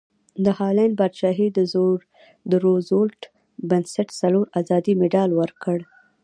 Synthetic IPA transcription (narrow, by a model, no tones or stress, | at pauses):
d̪əhɑlanbad̪ʃɑɦed̪əzoɾ | d̪əɾozolʈ | bansaʈsaloɾazɑd̪imeɖɑlwəɾkəɽ